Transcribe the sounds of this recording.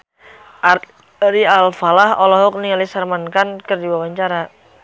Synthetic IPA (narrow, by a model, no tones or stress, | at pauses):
ɾialfalahɔlɔɦɔk̚niŋalisarmankankərdiwawaɲt͡ʃaɾa